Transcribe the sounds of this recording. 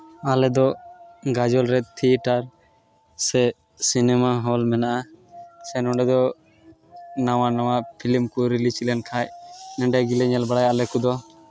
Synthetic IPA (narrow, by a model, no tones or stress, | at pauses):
alɛd̪ɔɡad͡ʒɔlɾɛt̪ʰiʈaɾ | sɛ | sinɛmaɦɔlmɛnaʔasɛnɔɖɛd̪ɔ | nawanawapʰilimkuɾilit͡ʃilɛnkʰajnɛɳɖɛɡilɛɲɛlbaɽajaʔlɛkud̪ɔ